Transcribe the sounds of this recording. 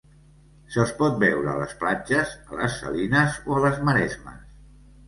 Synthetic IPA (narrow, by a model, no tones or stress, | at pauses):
səspɔt̪̚bɛwɾələsplad͡ʒəzələ̰sːə̰linəzoələzməɾɛzmə̰s